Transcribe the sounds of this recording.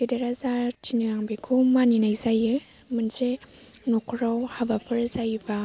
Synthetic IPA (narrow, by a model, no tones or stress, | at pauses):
kedeɾazatʰinɯɾaŋbekʰumaninajzajɯ | mɯnze | nɔkʰɾawhabapʰɯɾzajba